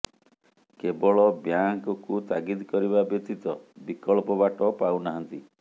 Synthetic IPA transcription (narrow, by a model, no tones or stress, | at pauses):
kebɔɭɔbjaŋkɔkut̪aɡid̪kɔɾibabekt̪it̪ɔbikɔɭpɔbaʈɔpawnaɦɔnt̪i